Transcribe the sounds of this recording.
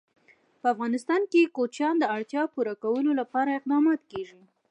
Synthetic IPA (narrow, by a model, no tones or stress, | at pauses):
pəafɣɑnɪst̪ɑnkekot͡ʃjɑnd̪əaɽt̪jɑpuɾakawəlolapɑɾaɪq̚d̪ɑmɑt̪keʒi